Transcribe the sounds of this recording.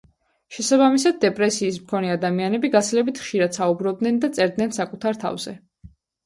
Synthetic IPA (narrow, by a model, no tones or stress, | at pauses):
ʃɛsaβamisad̪̚ːɛpʼɾɛsiːsmkʰɔnɛad̪amianɛbiɡat̪sʰilɛbit̪ʰχʃiɾad̪̥saubɾɔb̚d̪nɛnd̪at̪sʼɛɾd̪nɛnsakʼut̪ʰaɾt̪ʰa̰vz̥ɛ